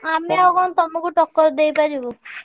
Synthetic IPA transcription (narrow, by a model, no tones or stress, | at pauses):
amiaɡɔnt̪ɔmukuʈɔkːɔɾd̪ejpad͡ʒibo